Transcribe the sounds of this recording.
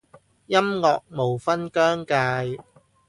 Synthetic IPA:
jɐ˥mŋɔː˨k̚mo˨˩wfɐ˥nkœː˥ŋkaː˧j

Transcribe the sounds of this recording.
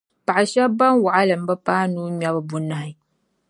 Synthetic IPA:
pa˨ʔa˨ʃɛ˦ba˦mwa˨ʔa˦lɨ˨m̩˨˦bɐ˦paː˦nuː˦ma˦bɨ˨bʊ˦na˨hɪ˨

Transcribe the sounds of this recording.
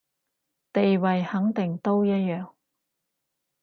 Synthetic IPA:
t̪e˨jwɐ˨jhɐ˨˥ŋt̪ɪ˨˩ŋt̪o˥wjɐ˥t̚jœː˨ŋ

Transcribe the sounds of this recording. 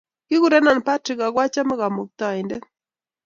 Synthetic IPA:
ki˦ɣu˨ɾɛ˦na˨npa˦ti˨ɣa˨kwa˦t͡ʃa˦ma˦ɣa˨mu˨k̚t̪a˨i˨ndɛ˦

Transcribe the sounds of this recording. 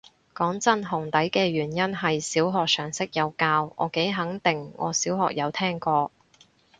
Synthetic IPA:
kɔː˨˥ŋt͡sɐ˥nɦʊ˨˩ŋt̪ɐ˨˥jkɛː˧ɥyː˨˩njɐ˥nɦɐ˨jsiː˨˥wɦɔː˨k̚sœː˨˩ŋsɪ˥k̚jɐ˨˧wkaː˧wŋɔ̰ː˨˧ke˨˥jɦɐ˨˥ŋt̪ɪ˨˩ŋŋɔ̰ː˨˧siː˨˥wɦɔ̰ː˨k̚jɐ˨˧wt̪ʰɛː˥ŋkɔː˧

